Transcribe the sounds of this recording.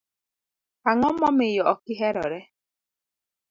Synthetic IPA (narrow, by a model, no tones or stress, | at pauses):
aŋɔmɔmɪjɔɔkiɦɛɾɔ̰ɾɛ